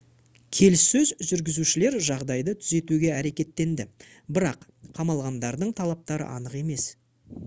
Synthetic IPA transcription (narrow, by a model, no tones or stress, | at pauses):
kʲʰe̞lɪsːɵzʒʏɾɡʲɪzuʃɪle̞ɾʒɑʁd̪ɑjd̪ət̪ʰʏze̞t̪uɡʲe̞æɾe̞kʲe̞t̪ːe̞nd̪ɪ | bɪɾɑq | qʰːɑmɑlˠʁɑnd̪ɑɾd̪əɴt̪ʰɑlˠɑp̚t̪ɑɾə̰ʔɑnəqe̞me̞s